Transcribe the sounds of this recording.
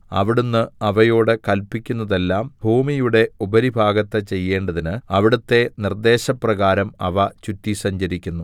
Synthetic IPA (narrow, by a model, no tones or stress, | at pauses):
ɐ̰ʋiɽunːɨɐʋɐjo̞ːɽɨkɐlpːikʲːunːɐðe̞lːaːmbʱuːmijuɽe̞ubɐɾibʱaːɡɐt̪ːɐt͡ɕe̞jːe̞ːɳɖɐðinɨɐʋiɽɐt̪ːe̞nird̪e̞ːɕɐprɐɣaːɾɐmɐʋɐt͡ɕutːisɐɲd͡ʑɐɾikʲːunːu